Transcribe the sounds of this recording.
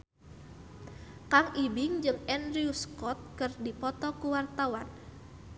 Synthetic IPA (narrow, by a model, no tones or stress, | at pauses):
kaŋibɪŋd͡ʒɨŋɛndɾiuskɔt̪̚kɨrdipɔt̪ɔkuwart̪awan